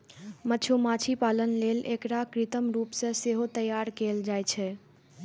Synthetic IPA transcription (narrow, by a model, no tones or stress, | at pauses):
mət͡ʃʰumat͡ʃʰipalənlelekɾakɾit̪əmɾupsẽseɦot̪əjaɾkeld͡ʒajt͡ʃʰɛ